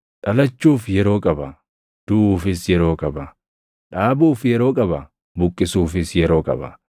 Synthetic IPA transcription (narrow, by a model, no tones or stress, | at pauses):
ᶑɐlɐt͡ʃːuːfjɛɾo̞ːkʼɐbɐ | d̪̥ufɪsjɛɾo̞ːkʼɐbɐ | ᶑaːbuːfjɛɾo̞ːkʼɐbɐ | bʊkʼːɪsuːfɪsjɛɾo̞ːkʼɐ̰bɐ̰